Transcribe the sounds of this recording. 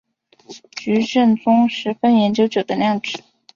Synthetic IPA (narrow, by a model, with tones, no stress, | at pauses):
t͡ɕy˧˥ʈ͡ʂə˥˩nt͡sʊ˥ŋʂɻ̩˧˥fə˥njɛ˧˥nt͡ɕjo˥ʊt͡ɕjo˨˩ʊd̪ə˦ljɑ˥˩ŋʈ͡ʂɻ̩˨˩˦